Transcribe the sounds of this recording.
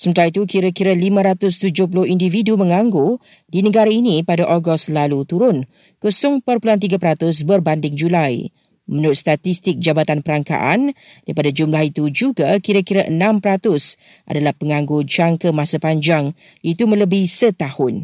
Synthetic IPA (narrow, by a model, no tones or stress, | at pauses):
səmənt̪aɾit̪ukiɾakiɾalimə̃ɾat̪ʊst̪ud͡ʒʊhpulʊhindividumə̃ŋãŋɡo | dinəɡaɾainĩpadaʔoɡɔst̪lalut̪uɾʊn | kusʊŋpərpulant̪̬iɡapəɾat̪ʊs̬bərbandɪŋd͡ʒulaj | mənuɾʊt̪st̪at̪ist̪ɪk̚d͡ʒabat̪anpəɾaŋka̰ʔa̰n | daɾipadad͡ʒumlahit̪ud͡ʒuɡakiɾakiɾaʔənãmpəɾat̪ʊs | ʔa̰dalahpəŋãŋɡod͡ʒaŋkəmãsapaɲd͡ʒaŋ | ʔit̪umə̃ləbihsət̪ahʊn